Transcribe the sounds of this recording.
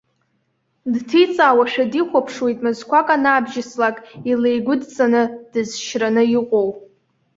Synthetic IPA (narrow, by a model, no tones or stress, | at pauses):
dtʰit͡sʼaːwaʃᶣadiχʷapʰʂwe̞jtʼmɨzkʷakʼanaːbʒɪslakʼile̞jɡʷʊdt͡sʼanɨd̥ɨzʃranɨiqʷʼow